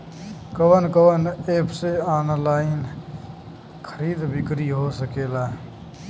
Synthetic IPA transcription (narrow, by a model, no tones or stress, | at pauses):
kəwənkəwəneːpʰseaːnlaːin | kʰəɾiːd̪bɪkɾiːɦoːsəkeːlaː